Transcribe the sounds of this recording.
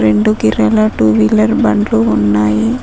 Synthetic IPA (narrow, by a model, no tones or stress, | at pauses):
ɾeɳɖukiɾɐlɐʈuːʋilɐɾbɐɳɖluːnːaːji